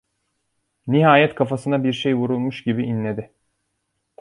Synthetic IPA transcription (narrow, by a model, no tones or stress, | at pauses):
niɦaːjɛt̪kʰafasɯnabiɾʃejvuɾulˠmuʃɟibiinlʲe̞d̪ɪ